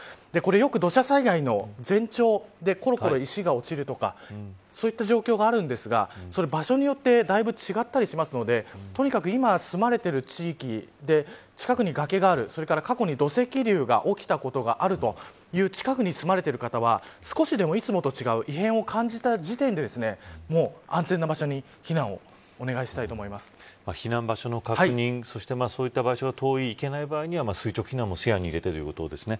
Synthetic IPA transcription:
d̪̥e̞ko̞ɾe̞jo̞kɯ̟d̪o̞ɕasaiɡaino̞d͡zẽ̞ɲt͡ɕo̞ːd̪e̞ko̞ɾo̞ko̞ɾo̞iɕiɡao̞t͡ɕiɾɯ̟t̪o̞ka̰ | so̞ːit̪ːaʑo̞ːkʲo̞ːɡaːɾɯ̟̃nd̪e̞sɨɡa̰so̞ɾe̞baɕo̞ɲ̟ijo̞t̪ːe̞d̪aibɯ̟t͡ɕiɡat̪ːaɾʲiɕimasɨno̞d̪e̞t̪o̞ɲ̟ikakɯ̟imasɨmaɾe̞t̪e̞ɾɯ̟t͡ɕiːkʲid̪e̞ | t͡ɕi̥kakɯ̟ɲ̟iɡake̞ɡaːɾɯ̟so̞ɾe̞kaɾakako̞ɲ̟id̪o̞se̞kʲiɾʲɯːɡa̰ʔo̞kʲi̥t̪ako̞t̪o̞ɡa̰ʔaɾɯ̟t̪o̞ | jɯ̟ːt͡ɕi̥kakɯ̟ɲ̟isɨmaɾe̞t̪e̞ɾɯ̟kat̪aβasɨ̥ko̞ɕid̪e̞mo̞it͡sɨmo̞t̪o̞t͡ɕiɡaɯ̟ʔiɦẽɰ̃o̞kʰãɲ̟d͡ʑit̪ad͡ʑit̪ẽnd̪e̞d̪e̞sɨne̞mo̞ːã̰nzẽ̞nːabaɕo̞ɲ̟i | çinãɰ̃o̞̰ | one̞ɡaiɕi̥t̪ait̪oːmoimasɨ̥maçinãmbaɕo̞no̞kakhaiɯɲĩŋ̃so̞ɕi̥t̪e̞maːsoːit̪ːabaiɕo̞ɡat̪ʰo̞ːiːke̞naibaːiɲ̟iβamasɨit͡ɕo̞kɯ̟çʲinãmːo̞sejaɲ̟iɾe̞t̪e̞t̪o̞jɯ̟ko̞t̪o̞̰d̪e̞sɨne̞

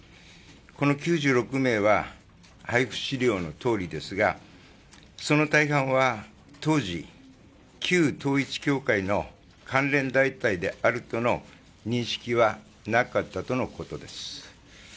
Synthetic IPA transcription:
ko̞no̞kʲɨːʑɨːɾo̞kɯ̟me̞ːβa | haiɸɯ̟̥ɕiɾʲo̞ːno̞t̪o̞ːɾʲid̪e̞sɨɡa | so̞no̞t̪aiɦãɰ̃βa | t̪o̞ːʑḭ | kʲʰɨːt̪o̞ːit͡ɕi̥kʲo̞ːkaino̞ | kʰãnɾẽ̞nd̪ait̪aid̪e̞aɾɯ̟t̪o̞no̞ | ɲ̟ĩɰ̃ɕi̥kʲiβa | nakat̪ːat̪o̞no̞ko̞t̪o̞d̪e̞sɨ̥

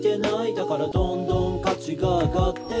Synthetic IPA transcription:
t̪e̞naid̪akaɾad̪õ̞nd̪õ̞ŋkat͡ɕiɡaːɡat̪ːe

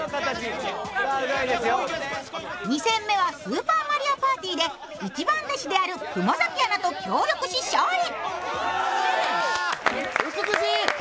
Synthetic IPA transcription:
ad̪esjo | ɲ̟isẽ̞mːe̞β̞asɨːpaːmaɾʲiapaːt̪ʲiːd̪e̞ | it͡ɕibãnt̪aɕid̪e̞aɾɯ̟kɯ̟mozakʲianat̪o̞kʲʰoːɾʲo̞kɯ̟ɕiɕoːɾʲi

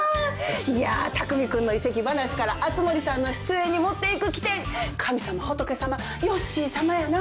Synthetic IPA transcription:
ia̰t̪akɯ̟mʲikɯ̟̃nːo̞ise̞kʲibanaɕi̥kaɾaʔat͡sɨmo̞ɾʲisãnːo̞ɕi̥t͡sɨẽ̞ɲ̟ːimo̞t̪ːe̞ikɯ̟kʲi̥t̪ẽ̞ŋkʰamʲisamaho̞t̪o̞ke̞sama | jo̞ɕiːsamajana

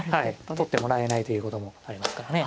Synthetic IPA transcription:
hait̪o̞t̪ːemo̞ɾae̞nait̪o̞jɯ̟ːko̞t̪o̞mo̞aɾʲimasɨ̥kaɾane

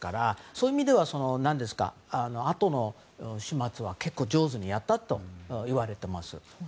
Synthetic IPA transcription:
kaɾaso̞ːiimʲid̪e̞βaso̞no̞nãnd̪e̞sɨ̥ka̰ano̞at̪o̞no̞ | ɕimat͡sɨβake̞kːo̞ːd͡ʑo̞ːzɨɲ̟ijat̪ːat̪o̞iβaɾe̞t̪e̞masɨ̰

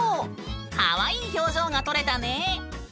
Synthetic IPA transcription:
ha̰βaiːçʲo̞ːʑo̞ːŋat̪o̞ɾe̞t̪ane

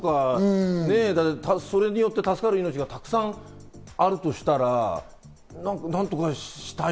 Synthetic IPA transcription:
kane̞d̪at̪ːet̪aso̞ɾe̞ɲ̟ijo̞t̪ːe̞t̪asɨ̥kaɾɯ̟ino̞t͡ɕiɡat̪akɯ̟̥sãɴ | aɾɯ̟t̪o̞ɕi̥t̪aɾa | nãŋknãnt̪o̞kaɕɕi̥t̪a

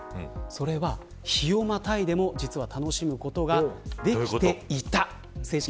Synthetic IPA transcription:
so̞ɾe̞βa | çio̞mat̪aid̪e̞mo̞d͡ʑit͡sɨβat̪ano̞ɕimɯ̟ko̞t̪o̞ɡad̪e̞kʲit̪e̞it̪a | se̞ːɕi̥

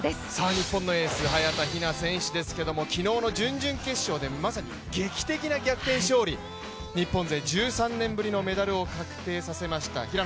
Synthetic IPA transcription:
saːɲ̟ipːõnːo̞e̞ːsɨɦajat̪açinasẽ̞ɰ̃ɕid̪e̞sɨ̥ke̞d̪o̞mo̞kʲino̞ːno̞d͡ʑɨ̃ɲd͡ʑɨ̃ŋke̞ɕːo̞ːd̪e̞masaɲ̟ḭ | ɡe̞kʲi̥t̪e̞kʲinaɡʲakɯ̟̥t̪e̞ːɕo̞ːɾʲi | ɲ̟ipːõnze̞d͡ʑɨːsãnːẽ̞mbɯ̟ɾʲino̞me̞d̪aɾɯ̟o̞kakɯ̟̥t̪e̞ːsase̞maɕi̥t̪a̰çiɾa

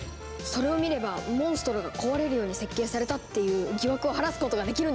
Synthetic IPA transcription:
so̞ɾe̞o̞mʲiɾe̞bamõɰ̃sɨ̥t̪o̞ɾoɡako̞βaɾe̞ɾɯ̟jo̞ːɲ̟ise̞kʲːe̞ːsaɾe̞t̪at̪ːe̞jɯ̟ːɡʲiβakɯoɦaɾasɨ̥ko̞t̪o̞ɡad̪e̞kʲiɾɯ̟n

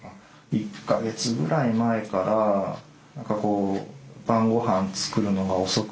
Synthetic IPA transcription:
a | ikːaɡe̞t͡sɨɡɯ̟ɾʔaimae̞kaɾa | nãŋkako̞ːbãŋɡo̞hãnt͡sɨ̥kɯ̟ɾɯ̟no̞ɡao̞so̞k

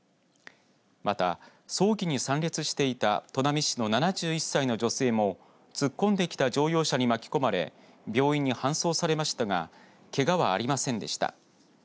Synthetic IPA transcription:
mat̪a̰ | so̞ːɡʲiɲ̟isãnɾʲet͡sɨɕi̥t̪e̞it̪a̰t̪o̞namʲiɕi̥no̞nanaʑɨːisːaino̞d͡ʑo̞se̞ːmo̞ | t͡sɨkːõ̞nd̪e̞kʲi̥t̪ad͡ʑo̞ːjo̞ːɕaɲ̟imakʲi̥ko̞maɾe̞̰ | bʲo̞ːiɲ̟ːihãɰ̃so̞ːsaɾe̞maɕi̥t̪aɡa̰ | ke̞ɡaβaːɾʲimasẽ̞nd̪e̞̰ɕi̥t̪a̰

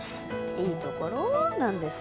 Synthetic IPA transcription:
sid̪ukoɾonãnd̪es

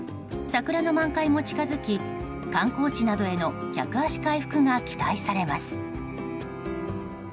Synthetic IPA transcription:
sakɯ̟ɾano̞mãŋkaimo̞t͡ɕi̥kazɨkʲi | kãŋko̞ːt͡ɕinad̪o̞e̞no̞kʲa̰kɯ̟aɕi̥kaiɸɯ̟̥kɯ̟ɡakʲi̥t̪aisaɾe̞masɨ̥

